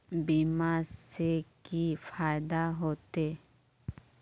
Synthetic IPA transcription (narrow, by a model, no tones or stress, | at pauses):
biːmasekifaːjd̪aɦoːt̪e